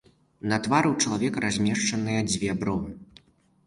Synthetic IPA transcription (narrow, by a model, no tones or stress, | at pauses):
nɐt̪vaɾɨwt͡ʂɐlˠavʲɛkɾazʲmʲɛʂt͡ʂɐnɨjɐd͡zʲvʲɛbɾɔ